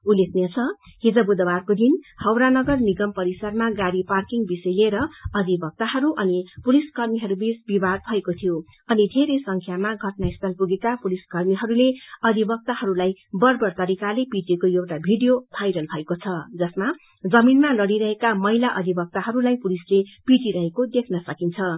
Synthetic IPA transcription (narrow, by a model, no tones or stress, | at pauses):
ulːek̚ʰnet͡sʰʌhid͡zʌbud̪ʌbarkod̪inhʌwɾanʌɡʌrniɡʌmpʌɾisʌrmaɡaɾiparkiŋbisʌjleɾʌʌd̪ʱibʌk̚t̪aɦʌɾuʔʌnipuliskʌrmiɦʌɾubisbibad̪̚bʱʌekot̪ʰijo | ʌnid̪ʱeɾesʌŋkʰjamaɡʱʌʈnaist̪ʰʌlpuɡekapuliskʌrmiɦʌɾuleʌd̪ʱibʌk̚t̪ahʌɾulajbʌrbʌrt̪ʌɾikalepiʈekojewʈabʱiɖijobʰʱajɾʌlbʱʌekot͡sʰʌd͡zʌsma | d͡zʌminmalʌɽiɾʌɦekamʌɦilaʔʌd̪ʱibʌk̚t̪aɦʌɾulajpulislepiʈiɾʌɦekod̪ekʰnʌsʌkint͡sʰʌ